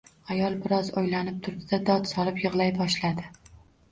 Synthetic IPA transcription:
ajɒlˠbɪɾɒzojlanɪp̚t̪ʰʊɾb̪ɪd̪ad̪ɒt̪sɒlˠɪpjɨʁlˠajbɒʃlad̪ɪ

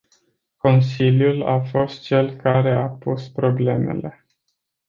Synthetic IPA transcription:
ko̞nsiljulafo̞st̪̚t͡ʃe̞lkaɾe̞apuspɾo̞ble̞me̞̰le̞

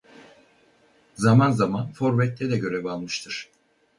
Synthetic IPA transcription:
zamanzamanfo̞ɾvɛt̪lːʲɛd̪ɛɟø̞ɾɛbalˠmɯʃt̪ʰɯɾ̥

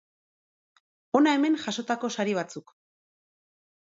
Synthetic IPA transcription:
o̞nae̞me̞nʝaʃo̞t̪ako̞saɾiβ̞at͡suk

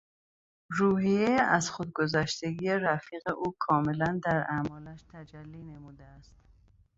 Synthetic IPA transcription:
ɾuːhijeeʔæzxod̪̚ɡo̞zæʃt̪eɡiːeɾæfiːɣeʔuːkʰɒːme̞lænd̪æɾæmɒːlæʃt̪ʰæd͡ʒælːiːnemuːd̪eæst̪

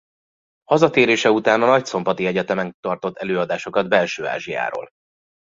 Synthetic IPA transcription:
hɒzɒt̪eːɾeːʃɛut̪aːnɒnɒcso̞mbɒt̪iɛɟɛt̪ɛmɛnt̪ɒrt̪o̞t̪ʰːɛløːɒd̪aːʃo̞kɒd̪̚bɛlʃøːa̰ːʒija̰ːɾo̰ːl

